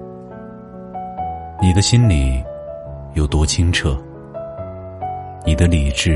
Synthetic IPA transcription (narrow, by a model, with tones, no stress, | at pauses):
ni˨˩d̪ə˦ɕi˥nli˨˩˦ | jo˨˩ʊt̪wɔ˥t͡ɕʰi˥ŋʈ͡ʂʰɤ˥˩ | ni˨˩d̪ə˦li˨˩ʈ͡ʂɻ̩˥˩